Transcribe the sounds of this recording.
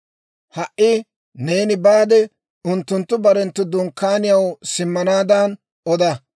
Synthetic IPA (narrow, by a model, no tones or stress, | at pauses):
hɐʔʔɪ | ne̞ːnɪbaːd̪ɛ | ʊnt̪ːʊnt̪ːʊbɐɾɛnt̪ːʊd̪ʊŋkːaːnɪjɐwsɪmːɐnaːd̪ɐn | ɔd̪ɐ